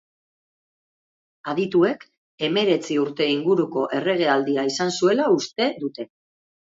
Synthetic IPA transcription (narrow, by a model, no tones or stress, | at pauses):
að̞it̪ue̞k | e̞me̞ɾe̞t͡siuɾt̪e̞iŋɡuɾuko̞ʔe̞re̞ɣ̞e̞ald̪iaisansue̞laust̪e̞ðut̪e̞